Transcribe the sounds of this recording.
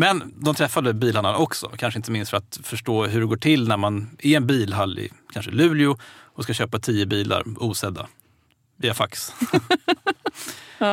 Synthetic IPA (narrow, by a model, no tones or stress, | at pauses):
mɛnd̪ɔmt̪ʰɾɛfːad̪əbiːlanaɔksɔ̰kʰanʂ̬əɪnt̪əmɪnst̪fœɾat̪fœʂʈoːɦɵɖɛɡoːʈʰɪlnæɾmanɪɛnbiːlɦalːɪ̰kʰanʂəlʉ̟ːlɪʊɔskaɕøːpat̪ʰiːəbiːlʔa̰ɾuːsɛd̪ːa̰ | viːafaks